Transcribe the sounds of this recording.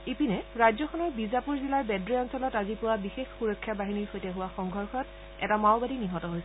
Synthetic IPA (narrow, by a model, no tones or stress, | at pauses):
ipinɛɹajzɔxʰɔnɔɹbizapuɹzilaɹbɛdɹeɔnsɔlɔtazipʊwabixexxuɹɔkʰːjabaɦiniɹxojtɛɦʊwaxɔŋɡʱɔɹxɔt | ɛ̰tamaʊbadiniɦɔtɔɦojsɛ